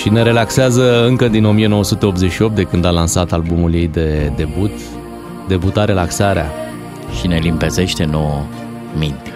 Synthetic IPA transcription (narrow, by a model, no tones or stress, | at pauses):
ʃine̞ɾe̞lakseazəɨŋkəd̪ino̞mije̞no̞wəsut̪e̞opt̪zeʃio̞p̚t̪d̪e̞kɨnd̪alansat̪albumulje̞jd̪ed̪e̞but̪ | d̪e̞but̪aɾe̞laksaɾea̰ | ʃine̞limpe̞ze̞ʃt̪e̞nowə | mint̪e